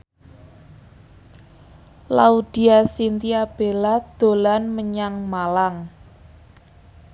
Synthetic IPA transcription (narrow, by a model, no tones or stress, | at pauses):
laud̪̥i̤asint̪iab̥e̤lad̪̥o̤lanməɲaŋmalaŋ